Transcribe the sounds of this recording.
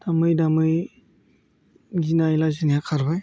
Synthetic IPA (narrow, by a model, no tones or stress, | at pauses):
d̥amɯjdamɯj | ɡinajlazinijakʰaɾbaj